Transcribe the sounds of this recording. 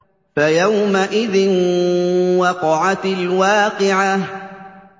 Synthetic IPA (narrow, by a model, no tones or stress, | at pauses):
fajawmaʔɪðɪn | wɑqɑʕat̪ɪlwaːqɪʕah